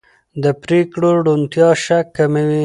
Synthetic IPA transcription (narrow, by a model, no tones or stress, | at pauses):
d̪əpɾekɽoɽunt̪jɑʃakːaməwi